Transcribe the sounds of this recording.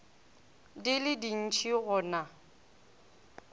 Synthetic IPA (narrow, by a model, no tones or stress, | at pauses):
dɪlɪdin̩t͡ʃʰiɣʊna